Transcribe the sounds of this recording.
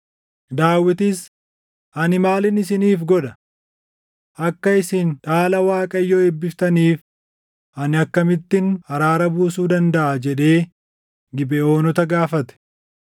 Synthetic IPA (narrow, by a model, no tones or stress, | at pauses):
d̪aːwːɪt̪ɪs | ʔɐnɪmaːlɪnɪsɪniːfɡɔᶑɐ | ʔɐkːɐɪsɪnᶑaːlɐwaːkʼɐjːoːɛbːɪft̪ɐniːf | ʔɐnɪɐkːɐmɪt̪ːɪnɐɾaːɾɐbuːsuːd̪ɐnd̪ɐʔad͡ʒɛᶑe̞ː | ɡɪbɛo̞ːnɔt̪ɐɡaːfɐt̪ɛ̥